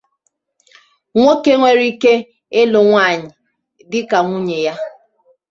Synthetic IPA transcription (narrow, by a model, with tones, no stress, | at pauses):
ŋʷo˦ke˦ŋʷe˨ɾi˦ke˦ | e˦lo˨ŋʷa˦˨ɲɪ˨ | dɪ˦ka˨ŋʷu˦ɲe˨ja˦